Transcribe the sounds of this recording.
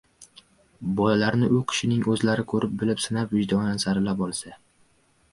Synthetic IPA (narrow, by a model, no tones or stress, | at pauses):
bɒlalaɾnɪʔʊkʲʰɪ̥ʃɪnɪŋɵzlaɾɪkʰɵɾɪp̚bɪlɪpsɪnapvɪd͡ʒd̪ɒj̪ansaɾɪlapɒlˠsa